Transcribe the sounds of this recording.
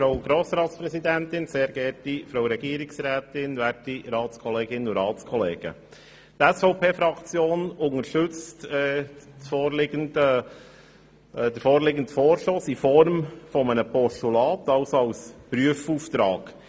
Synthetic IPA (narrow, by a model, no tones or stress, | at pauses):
fɾowɡɾoːsɾɑːt̪spɾɛsid̪ænt̪ɪnseːɾɡɛɾtifɾɔʊɾɛɡ̥iəɾiksɾæːt̪ɪnʋæɾtiɾɑːtskʰɔleːɡɪnuɾɑːtskʰɔleːɡ̥ə̰ | t̪ɛsfɔʊpʰeːfɾɑkt͡sjoːnʊŋəɾʃtɵt͡stɛfoːɾlɪɡəndə | d̪əfoːɾlɪɡən̩tfoːɾʃloːsifɔɾmfɔmənəpɔʂtulɑːt̪ɑʊsoɑʊspɾyəfuft̪ɾɑːɡ̥